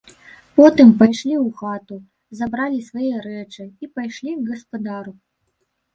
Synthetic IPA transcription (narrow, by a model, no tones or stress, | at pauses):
pɔt̪ɨmpajʂlʲiwxat̪u | zabɾalʲisvajɛɾɛt͡ʂɨipajʂlʲiɣɐspad̪aɾu